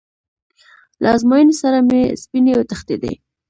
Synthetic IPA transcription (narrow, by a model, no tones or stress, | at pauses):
lʔa̰zmɑjənesaɾamespineawt̪axt̪ed̪ḛ